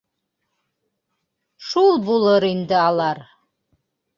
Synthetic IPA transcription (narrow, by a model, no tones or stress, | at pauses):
ʂulˠbuləɾindɨalar